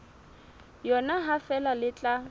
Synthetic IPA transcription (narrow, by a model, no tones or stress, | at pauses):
jɔnaɦafɛlalɪt͡ɬʼa